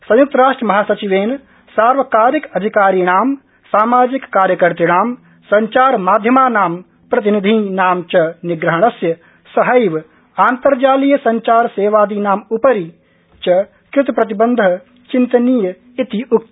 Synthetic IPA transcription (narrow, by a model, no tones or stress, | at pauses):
sɐ̃juk̚t̪ɐɾaːʂʈɾəmɐɦaːsɐt͡ʃiʋeːn | saːɾʋɐkaːɾikɐd̪ʱikaːɾiːɳaːm | saːmaːd͡ʒikːaːɾjəkɐɾt̪iɽ̃aːm | sɐɲt͡ʃaːɾmaːd̪ʱjəmaːnaːm | pɾɐt̪̬inid̪ʱĩnaːmt͡ʃɐniɡɾɐɦɐɳ̃ɐsjɐ | sɐɦɐjʋ | aːnt̪ɐɾd͡ʒaːlijsɐɲt͡ʃaːɾseːʋaːd̪iːnaːmupɐɾi | t͡ʃɐ | kɾɪt̪pɾɐt̪ibɐnd̪ʱɐ | t͡ʃint̪ɐniːjɐ | it̪iuk̚t̪